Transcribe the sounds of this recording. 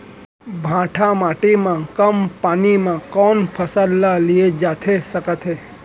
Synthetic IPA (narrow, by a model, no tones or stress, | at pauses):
bʱãʈʰamaʈimãkəmpanimãkɔnpʰəsalːalied͡ʒat̪ʰesəkat̪ʰe